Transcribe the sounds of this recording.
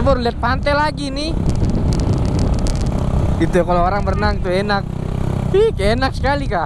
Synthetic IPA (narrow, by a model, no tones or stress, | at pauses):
bɔrliat̪̚pant̪ɛlaɡinɪ | ɡit̪ujakalooɾaŋbərnaŋt̪uenak̚ | ikaenak̚sə̥kalika